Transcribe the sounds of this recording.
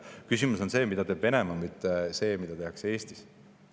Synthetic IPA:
kysimuso̞nse̞ːmid̪̥ɑt̪e̞ːb̥ve̞ne̞mɑmit̪ːese̞ːmid̪̥ɑt̪e̞ɦɑkse̞ːst̪is

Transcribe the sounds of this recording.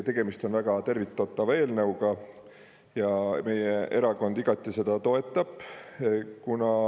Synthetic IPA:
t̪e̞ɡ̥e̞mist̪o̞nvæɡ̥ɑt̪e̞rvit̪ˑːot̪ːˑɑve̞ːlnɤwɡ̥ɑ | jɑme̞jeʔe̞ɾɑko̞nd̪̥iɡ̥ɑt̪ːˑise̞d̪̥ɑt̪o̞e̞t̪ːˑɑb̥ | kunɑ

